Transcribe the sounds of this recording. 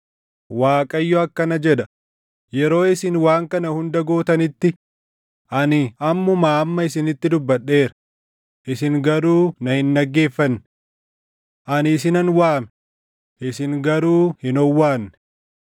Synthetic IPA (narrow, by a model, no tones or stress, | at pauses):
waːkʼɐjːɔɐkːɐnɐd͡ʒɛᶑɐ | jɛɾo̞ːɪsɪnwaːŋkɐnɐhʊnd̪ɐɡo̞ːt̪ɐnɪt̪ːɪ | ʔɐnɪɐmːɔmaːɐmːɐɪsɪnɪt̪ːɪd̪ʊbːɐɗːe̞ːɾɐ̥ | ʔɪsɪŋɡɐɾuːnɐhɪnːɐɡːe̞ːfːɐnːɪ | ʔɐnɪs̬ɪnɐnwaːmɛ | ʔɪsɪŋɡɐɾuːhɪnɔwːaːnːɛ̥